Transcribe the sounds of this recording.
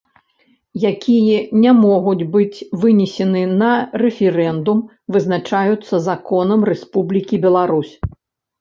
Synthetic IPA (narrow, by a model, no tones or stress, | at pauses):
jakʲijɐnʲamɔɣud͡zʲbɨt͡sʲvɨnʲɛsʲɛnɨnɐrɛfʲɛɾɛnd̪um | vɨznat͡ʂajut̪sːɐzakɔnɐmrɛspublʲikʲibʲɛlˠaɾusʲ